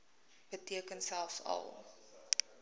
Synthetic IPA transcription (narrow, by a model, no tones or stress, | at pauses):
b̥ətiəkənsælˠfsɐ̰lˠ